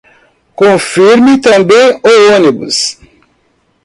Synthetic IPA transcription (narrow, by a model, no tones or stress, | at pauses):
kõfiɾmit̪ɐ̃mbẽj̃oonibṵs